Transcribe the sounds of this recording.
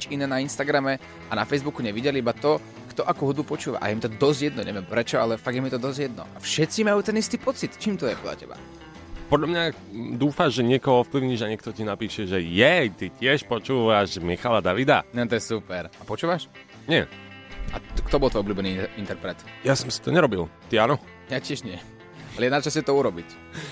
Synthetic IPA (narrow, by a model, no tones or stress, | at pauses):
ɲit͡ʃinɛːnainst̪aɡɾamɛ | anafɛjzbukuɲɛʋiɟɛliibat̪ɔ | kt̪ɔʔakuːɦud̪bupɔt͡ʃuːʋa̰ʔa̰jɛmit̪ɔd̪ɔzɟjɛd̪nɔɲɛ̰ʋɛmpɾɛt͡ʃɔalɛfaɡjɛmit̪ɔd̪ɔzɟjɛd̪nɔ̰ʔafʃɛt͡simajuːt̪ɛnist̪iːpɔt͡sit̪t͡ʃiːmt̪ɔjɛpɔd̪lʎa̰cɛba̰ | pɔd̪lʎamɲa | d̪uːfaʒʒɛɲɪɛkɔɦɔɔfpliʊɲiːʒaɲɪɛk̚t̪ɔcinapiːʃɛʒɛjɛjt̪icɪɛʃpɔt͡ʃuːʋaʃmixalad̪aʋid̪aɲɛt̪ɔjɛsupɛɾapɔt͡ʃuːʋaʃ | ɲɪɛ | a̰kt̪ɔbɔlˠt̪ʋɔjɔblʲuːbɛniint̪ɛɾpɾɛt̪jasɔmsi̥t̪ɔɲɛɾɔbilt̪ianɔ | acɪɛʒɲɪɛ | aalɛjɛd̪nat͡ʃascɛt̪ɔuɾɔbic